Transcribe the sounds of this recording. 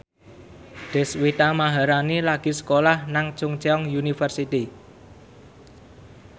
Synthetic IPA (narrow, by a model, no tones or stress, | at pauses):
ɖ̪̥ɛ̤swit̪amaɦaɾanilaɡ̥i̤sə̥kolahnaŋt͡ʃʊŋt͡ʃeɔŋjunifərsit̪i